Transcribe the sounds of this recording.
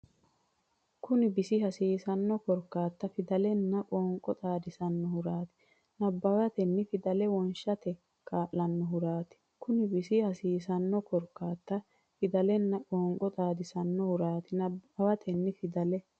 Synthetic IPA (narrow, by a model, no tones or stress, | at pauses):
kʊnɪbɪsɪhɐsiːsɐnːɔkɔɾkːaːt̪ːɐfɪd̪ɐlɛnːɐkʼoːŋkʼɔt̪ʼaːd̪ɪsɐnːɔhʊɾaːt̪ɪ̥ | nɐbːɐwɐt̪ɛnːɪfɪd̪ɐlɛwɔnʃɐt̪ɛ | kʰaːʔːɐnːɔɦʊɾaːt̪ɪ̥kʊnɪbɪsɪhɐsiːsɐnːɔkɔɾkːaːt̪ːɐ | fɪd̪ɐlɛnːɐkʼɔːŋkʼɔt̪ʼaːd̪ɪsɐnːɔhʊɾaːt̪ɪnɐbːɐwɐt̪ʰɛnːɪfɪd̪ɐlɛ